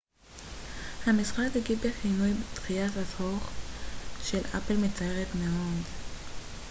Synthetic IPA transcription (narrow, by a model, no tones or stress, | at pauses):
hamisχaktiɡibeχinujbet̪χijatazhoχ | ʃela̰pelmet͡saeʁetmeo̞d